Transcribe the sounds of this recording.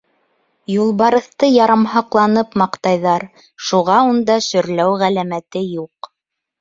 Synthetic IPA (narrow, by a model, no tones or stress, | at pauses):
julˠβɑɾɤ̆θt̪ɤjɑɾɑmhɑqlˠɑnɤpmɑqt̪ɑjðɑɾ | ʃuʁɑund̪ɑʃɵ̆ɾlæwʁælæmæt̪ɘjuq